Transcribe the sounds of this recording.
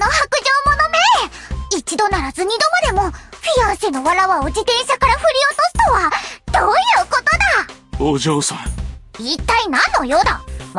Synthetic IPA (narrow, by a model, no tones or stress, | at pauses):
nohakɯ̟ʑo̞ːmo̞nomeːit͡ɕid̪o̞naɾazɨɲ̟id̪o̞mad̪e̞mo̞ɸʲiasino̞βaɾaβao̞d͡ʑit̪ẽ̞ɰ̃ɕakaɾaɸɯ̟ɾʲio̞t̪osɨ̥t̪oβad̪̥oːjɯ̟ːko̞t̪o̞d̪a | oːʑoːsãit̪ːainãnːo̞jod̪a